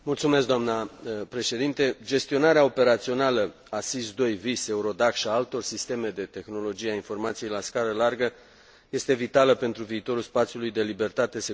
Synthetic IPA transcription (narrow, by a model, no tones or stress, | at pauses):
mult̪sume̞s̬kd̪oamnəpɾe̞ʃe̞d̪int̪e̞d͡ʒe̞st̪io̞naɾeao̞pe̞ɾat̪sio̞nalə | asis̬d̪o̞jvise̞uɾo̞d̪akʃiaalt̪o̞rʲsist̪e̞me̞d̪e̞t̪e̞xno̞lo̞d͡ʒijeainfo̞rmat̪sije̞jlaskaɾəlarɡə | je̞st̪e̞vit̪aləpe̞nt̪ɾuviːt̪o̞ɾulspat̪sijulujd̪e̞libe̞rt̪at̪e̞se